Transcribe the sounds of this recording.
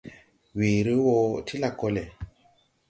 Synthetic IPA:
wiː˨ɾi˦wo˧tʰi˦la˨ko˧le˨

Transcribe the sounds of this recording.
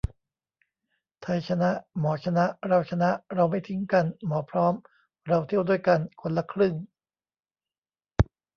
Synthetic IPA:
t̪ʰa˧jt͡ɕʰa˧na˦˥ʔmɔː˩˦t͡ɕʰa˧na˦˥ʔɾa˧wt͡ɕʰa˧na˦˥ʔɾa˧wma˥˩jt̪ʰi˦˥ŋka˧nmɔː˩˦pʰɾɔː˦˥m | ɾa˧wt̪ʰi˥˩əwdu˥˩jka˧nkʰo˧nla˧kʰɾɯ˥˩ŋ

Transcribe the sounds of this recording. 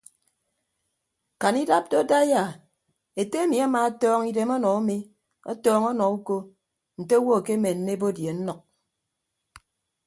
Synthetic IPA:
ka˨ni˦da˦p̚do˦da˦ja˨ | e˨te˦e˦mi˨a˦ma˦˨a˦tɔː˦ŋi˦de˨mɔ˦nɔ˨a˦mi˦ | ɔ̰˦tɔː˦ŋɔ˦nɔ˨u˦ko˦ | n̩˨te˦wo˦˨ke˦me˨n̩˨ne˦bo˦dje˨n̩˦nɔ˨k̚

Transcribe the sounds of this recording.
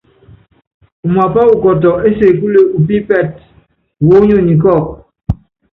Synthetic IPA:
u˨ma˨pa˦u˦˨kɔ˨t̬ɔ˨e˦se˨ku˦le˦u˨p̬i˦pɛ˦˨t̚ | wo˦ɲo˦˨ɲi˨kɔ˦˨k̚

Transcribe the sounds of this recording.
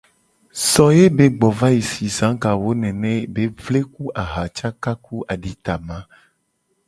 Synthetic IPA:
sɔ˨je˦be˦ɡ͡bɔ˨va˦ji˨si˨zã˨˦ŋka˨wo˦nɛ̃˨nɛ̃˦be˦vle˦ku˦ʔa˨ɦa˨t͡ʃa˦ka˦ku˦ʔa˨ɖi˨t̪a˨mã˦

